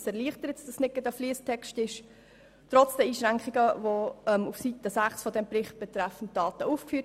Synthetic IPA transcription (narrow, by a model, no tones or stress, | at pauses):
sɛɾliəχtəɾətsd̥əsnɪkːədəfliəstʰɛkʃtɪʃ | tɾɔt͡sd̥əiːʃɾæŋkχiɡəvoɛmufsitəsæχsfɔdɛmprɪχt̚b̥ɛtɾɛfn̩t̚d̥ɑːtəuːfkfyː